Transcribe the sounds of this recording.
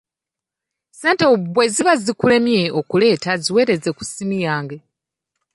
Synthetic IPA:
se̞ːnteubwe̞ziβazikule̞mje̞o̞kule̞ːtaziwe̞ːɾe̞ze̞ku̥simijaːŋɡe̞

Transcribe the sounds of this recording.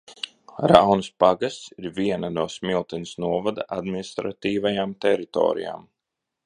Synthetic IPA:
ɾawnɨspaɡast̪siɾvʲiɛnanuɔːsmilˠt̪ɛnisnuɔvad̪aʔad̪minist̪ɾat̪iːvajamt̪ɛɾit̪ɔ̰ːɾḭja̰ːm

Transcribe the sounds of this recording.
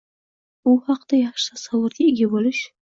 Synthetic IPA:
ʊhɑqd̪ajɑχʃɪ̥t̪ʰasawʊɾɡʲaɪɡʲabolɪʃ

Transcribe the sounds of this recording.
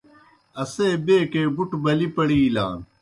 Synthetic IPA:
ɐseːbeːkeːbuʈbɐlipɐɽiːla̰ːn

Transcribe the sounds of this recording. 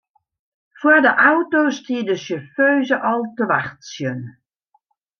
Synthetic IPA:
fwadəʔawtoːstiədəsəføːzəʔɔlˠtəʋaxtsjən

